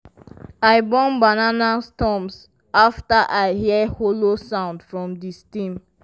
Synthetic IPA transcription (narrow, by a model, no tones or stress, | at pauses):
aɪbɔ̃nbananastɔ̃ms | aftaʔaɪhiɛholosãʊ̃ndfɹɔ̃mdistĩm